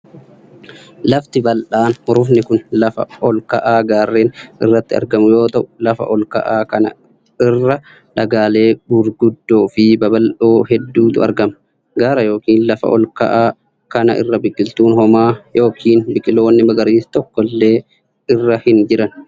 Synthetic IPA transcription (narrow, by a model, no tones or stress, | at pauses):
lɐft̪ɪbɐlʔaːnhʊɾʊfnɪkʊnlɐfɐ̰ʔɔlkɐʔaːɡaːrːeːnɪ̰rːɐt̪ːɪɐ̰ɾɡɐmʊjo̞ːt̪ɐʔʊlɐfɐ̰ʔɔlkɐ̰ʔaːkɐnɐ̰ | ɪrːɐ | ᶑɐɡaːle̞ːbʊɾɡʊd̪ːo̞ːfɪbɐbɐlʔoːhɛd̪ːuːt̪ʊɐ̰ɾɡɐmɐ | ɡaːɾɐjo̞ːkiːnlɐfɐ̰ʔɔ̰lkɐ̰ʔaː | kɐnɐʔɪ̰rːɐbɪkʼːɪlt̪uːnhɔmaːjo̞ːkʰiːnbɪkʼɪlo̞ːnːɪmɐɡɐɾiːst̪ɔkːɔlːe̞ː | ɪrːɐhɪnd͡ʒɪɾɐn